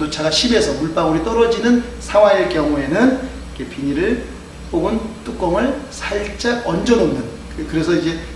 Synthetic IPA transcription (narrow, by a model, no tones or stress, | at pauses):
dot͡ɕaɡaɕʰibe̞sʰʌmuɭp͈aɡuɾit͈ʌɾʌd͡ʑinɯnsʰawaek͈jʌŋue̞nɯn | kʰepiɲiɾɯɭ | p͈oɡɯnt͈uk͈ʌŋɯɭsʰaɭt͡ɕ͈aʌnd͡ʑʌnonnɯn | kɯɾe̞s̬ʰʌid͡ʑe̞